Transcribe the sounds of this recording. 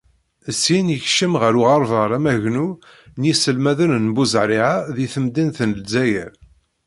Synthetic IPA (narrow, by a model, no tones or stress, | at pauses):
əsinjəçʃəmʁəɾuʁɑɾˤvəɾˤæmæʝnu | njisəlmæðənnbuzʕɾˤiʕaðiθəmd̪inθnlzæjəɾ